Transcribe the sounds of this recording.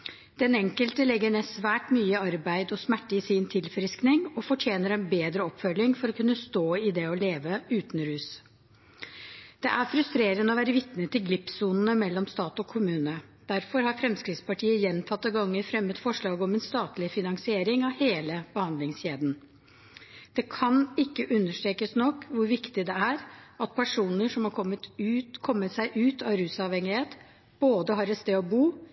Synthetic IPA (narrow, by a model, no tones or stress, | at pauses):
d̪̥ɛnɛŋkəlt̪əlɛɡːəɳɛːsʋæːʈmyːəɑɾbæɪd̪ɔsmæʈːəɪsɪnt̪ʰɪlfɾɪsknɪŋɔfɔʈʰjeːnəɾɛɪnbeːd̪ɾəɔpːfœlːɪŋfɔɾɔkʰʉnːəst̪oːɪd̪ɛɔleːʋəʉːt̪n̩ɾʉːs | d̪̥ɛʔæɾfɾʉst̪ɾeːɾənəɔʋæːɾəʋɪt̪nət̪ʰɪlɡlɪpsuːnənəmɛlːɔmst̪ɑːt̪ɔkʰʊmʉːnə | d̪̥æɾfɔɾhɑɾfɾɛmskɾɪt̪spɑʈʰiːəjɛnt̪ʰɑt̪ːəɡɑŋːəɾfɾɛmːət̪fɔʂɭɑːɡəɔmɛnst̪ɑːt̪lɪfɪnɑŋsɪeːɾɪŋɑʋheːləb̥əhɑnd̪lɪŋsçeːd̪n̩ | d̪̥ɛkʰɑnɪkːəʔʉnːəʂʈɾeːkəsnɔkːʋʊɾʋɪkt̪ɪd̪ɛæɾʔɑt̪̚pʰæʂuːnəʂɔmhɑɾkʰɔmət̪ʉkʰɔmːəsæɪʔʉːt̪ɑɾʉːsɑʋhɛŋːɪheːt̪ | b̥oːd̪əɦɑːɾɛst̪eːɔbuː